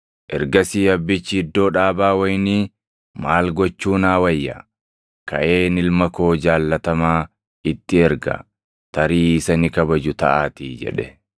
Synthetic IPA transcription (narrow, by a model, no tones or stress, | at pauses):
ʔɛɾɡɐsiːɐbːɪt͡ʃːɪɪd̪ːo̞ːᶑaːbaːwɐjniː | maːlɡɔt͡ʃːuːnaːwɐjːɐ̰ | kɐ̰ʔe̞ːnɪlmɐko̞ːd͡ʒaːlːɐt̪ɐmaː | ɪt̪ːɪɛɾɡɐ̰ | t̪ɐɾiːɪsɐnɪkɐbɐd͡ʒʊt̪ɐʔaːt̪iːd͡ʒɛ̰ᶑɛ